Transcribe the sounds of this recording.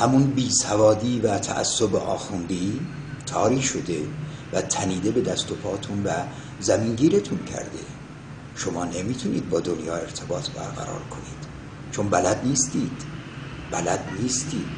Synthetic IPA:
hæmunbiːsævɒːd̪iːvæt̪ʰæ̰ʔæ̰sːobḛʔɒ̰ːxund̪iː | t̪ʰɒːɾiːʃo̞d̪e̞væt̪ʰæniːd̪e̞be̞d̪æst̪o̞pʰɒːt̪ʰunvæ | zæmiŋɟiːɾet̪ʰuncʰæ̰ɾd̪e | ʃo̞mɒːnemiːt̪ʰunḭːd̪̚bɒːd̪onjɒːe̞ɾt̪ʰe̞bɒːt̪ʰbæ̰ɾɣæ̰ɾɒ̰ːɾkʰo̞niːd̪̥ | t͡ʃʰo̞nbælæd̪niːst̪iːd̪̥ | bælæd̪niːst̪iːd̪̥

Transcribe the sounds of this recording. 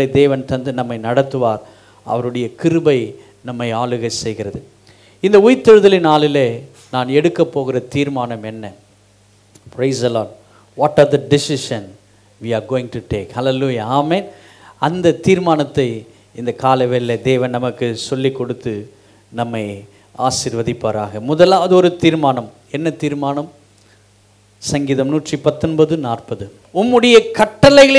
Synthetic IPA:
ɐɪd̪eːʋɐnt̪ɐnd̪ɯnɐmːɐɪnɐɽɐt̪ːɯʋaːɾ | ʔɐ̰ʋɐɾɯɽɐjɐkɪɾɯbɐɪ | nɐmːɐɪaːɭɯɣɐɪsɛjɣɪɾɐðɯ | ɪnd̪ɐʊjɪt̪ːɪɻɯðɐlɪnaːlɪleː | naːnɛɽɯkːɐpːoːɣɪɾɐt̪iːɾmaːnɐmɛnːɐ | pɾeɪsɐlɔːɖ | ʋɔːʈaːɾd̪ɐɖɪsɪʃɐn | ʋiːaɾɡoːɪ̃ŋʈuʈeːkhɐlɛluːjɐaːmeːn | ɐnd̪ɐt̪iːɾmaːnɐt̪ːɐɪ | ɪnd̪ɐkaːlɐʋelːɐd̪eːʋɐnnɐmɐkːɯsɔlːikːɔɽɯt̪ːɯ | nɐmːɐɪ | a̰ːsɪɾʋɐðɪpːɐɾa̰ːɣɐmʊðɐlaːʋɐðɔɾɯt̪iːɾmaːnɐm | ɛnːɐt̪iːɾmaːnɐm | sɐŋɡiːðɐmnuːʈripɐt̪ːɔnbɐðɯnaːrpɐðɯ | ʊmːɯɽɐjɐkɐʈːɐlɐɪɣɐɭ

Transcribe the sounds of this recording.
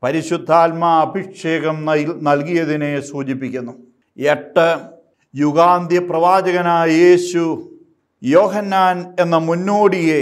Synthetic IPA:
pɐɾiɕud̪ʱːaːlmɐːbʱikʂeːɣɐmnɐlkijɐðinesuːt͡ɕip̬ːikʲːunːu | eʈːɐ | juɣaːnd̪jɐprɐʋaːd͡ʑɐɣɐnaːjeːɕu | joːɦɐnːaːne̞nːɐmunːoːɽije

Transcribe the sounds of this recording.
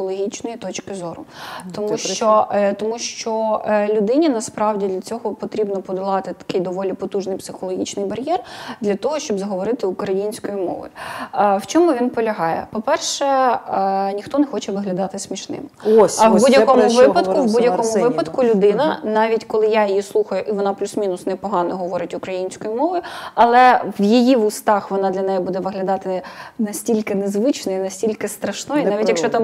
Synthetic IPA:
ɔlˠɔɦʲit͡ʃnɔjit̪ɔt͡ʃkɪzɔɾʊt̪ɔmuʃt͡ʃɔt̪ɔmuʃt͡ʃɔlʲʊd̪ɪnʲinɐspɾɑwdʲid̪lʲɐt͡sʲɔɦɔpɔt̪ɾʲibnɔpɔd̪ɐlˠɑt̪ɪt̪ɐ̥kɪjd̪ɔʋɔlʲipɔt̪uʒnɪjpsɪxɔlˠɔɦʲit͡ʃnɪjbɐɾʲjɛrd̪lʲɐt̪ɔɦɔʃt͡ʃɔbzɐɦɔʋɔɾɪt̪ɪukɾɐjinʲsʲkɔjimɔ̰ʋɔ̰jwt͡ʃɔmʊʋʲinpɔlʲɐɦɑjɛ̰pɔpɛrʃɛ | nʲixt̪ɔnɛxɔt͡ʃɛʋɪɦlʲɐd̪ɑt̪ɪsʲmʲiʃnɪ̰mosɐbudʲjɐkɔmʊʋɪpɐt̪kʊbudʲjɐkɔmʊʋɪpɐt̪kʊlʲʊd̪ɪnɐnɑʋʲitʲkɔlˠɪjajijislˠuxɐjʊʔiʋɔnɑplʲusmʲinʊsnɛpɔɦɑnɔɦɔʋɔɾɪtʲʊkɾɐjinʲsʲkɔjʊmɔʋɔjʊɐlˠɛʋjijiʋʊst̪ɑxʋɔnɑd̪lʲɐnɛjɛbud̪ɛʋɪɦlʲɐd̪ɑt̪ɪnɐsʲtʲilʲkɪnezʋɪt͡ʃnɔjinɐsʲtʲilʲkɪst̪ɾɐʃnɔjinɑʋʲitʲjɐkʃt͡ʃt͡ʃɔt̪ɑm

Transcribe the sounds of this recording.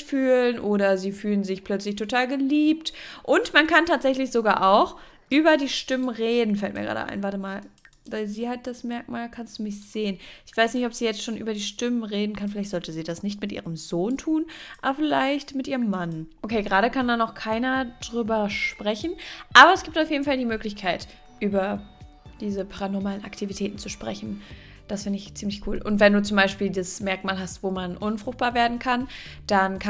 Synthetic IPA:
fyːlənʔoːɾɐziːfyːlənzɪçpʰl̥œt͡slɪçtʰotʰaːlɡəliːp̚tʔʊntmankʰantʰaːtz̥ɛçlɪçz̥oɡaːɐʔaʊx | ʔyːbɐdiːʃtɪmənʁeːdn̩fɛltmḭːɐɡʁa̰ːdə̰ʔa̰ɪnvaːtəmaːl | vaɪlziːhat̚d̥asmɛɐk̚maːlkʰanstd̥uːmɪçz̥eːənʔɪçv̥aɪsnɪçtɔpz̥iːjɛt͡stʃoːnʔyːbɐdiːʃtɪmənʁeːdn̩kʰanfɪlaɪçtzɔltəziːdasnɪçtmɪtʔḭːʁəmzoːntʰuːnʔa̰bɐfɪlaɪçtmɪtʔiːʁəmːanʔokʰeːɡʁaːɾəkʰandanɔʊxkʰaɪnɐd̥ʁyːbɐʃpʁ̥ɛçn̩ʔaːbɐɛsɡ̥iːptaʊfjeːdn̩faldiːmøːklɪçkʰaɪt | ʔyːbɐ | d̥iːzəpʰaʁanɔɐmaːləna̰ktʰivitʰɛːtn̩t͡suʃpʁ̥ɛçn̩ | d̥asfɪndɪɪçt͡siːmlɪçkʰuːlʔʊ̰ntvɛnduːt͡sʊmbaɪʃpiːldasmɛɐkmaːlɦastv̥oːmanʔʊnfʁ̥ʊxt̚b̥aːɐveːɐdn̩kʰand̥ankʰa

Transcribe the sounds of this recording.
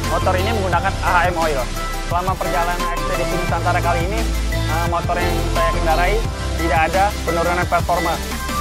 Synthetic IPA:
mot̪ɔɾiniməŋɡunakanaɦaɛmoil | səlamapərd͡ʒalananɛspedebidisant̪aɾakaliːni | əmot̪ɔrjaŋsajaɡəndaɾai | t̪idaːdapənuɾunanpɛrfɔrmas

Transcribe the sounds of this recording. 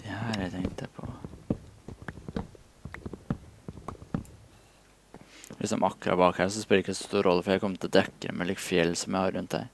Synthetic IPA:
d̪̥ɛhæːɾjæɪt̪ʰɛŋt̪əpʰɔ̰ | lɪ̰sɔ̰mʔɑkːɾɑ̰bɑːkhæːʂɔspɪləɪkədsɔ̥st̪uːɾʔɔlːəfɔɾjæɪkʰɔmt̪ʰɪld̪ɛkːə̰ɾmʔɛ̰liːkfjɛlːsɔmjæɪhɑɾʔʉnt̪̚d̪æ̰ɪ

